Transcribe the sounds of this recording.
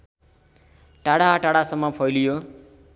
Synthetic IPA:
ʈaɽaɦʈaɽasʌmːʌpʰʌjlijo

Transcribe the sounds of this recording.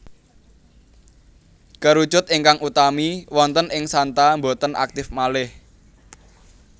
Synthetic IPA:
kəɾud̥ʒ̥ʊ̤t̪̚ɪŋkaŋut̪amiwɔnt̪ənɪŋsant̪ambot̪ənʔa̰k̚t̪ɪfmalɪh

